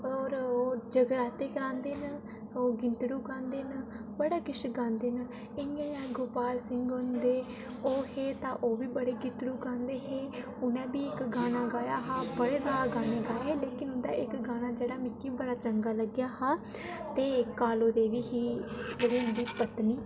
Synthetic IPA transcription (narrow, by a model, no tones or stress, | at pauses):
ɔːɾoːd͡ʒəɡəɾaːt̪eːkəɾãːnd̪eːn | oːɡɪnt̪ɽuːkãːnd̪eːnbəɽaːkɪʃɡãːnd̪eːn | ɪãːjãːɡoːpaːɾsɪŋɡɦʊnd̪eː | oːheːt̪ãːʔoːʋiːbəɽeːɡɪnt̪ɽuːkãːnd̪eːɦeː | ʊnɛ̃ːbiːɪkɡaːnãːɡaːjaːɦaːbəɽeːsaːɾaːɡaːneːɡaːeːleːkɪnʊnd̪aːʔɪkɡaːnaːd͡ʒeːɽaːmɪkːiːbəɽaːt͡ʃəŋɡaːləɡjaːɦaː | t̪eːkːaːloːd̪eːʋiːɦiːd͡ʒeːɽiːʊnd̪iːpət̪niː